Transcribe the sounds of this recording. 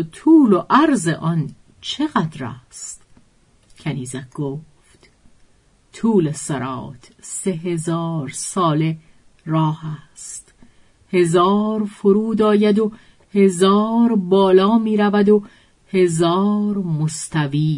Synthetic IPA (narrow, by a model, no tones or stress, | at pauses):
t̪ʰuːlo̞ʔæɾzeʔɒn | t͡ʃʰe̞ɣæd̪ɾæ̰st̪ | cʰæniːzæɡ̥oːft̪ | t̪ʰuːlesæɾɒ̰ːt̪ʰse̞ɦe̞zɒːɾsɒːle̞ | rɒːhæst̪ | he̞zɒːɾfoɾuːd̪ɒːjæd̪o | he̞zɒːɾbɒːlɒːmiːɾævæd̪o | he̞zɒːɾmost̪æviː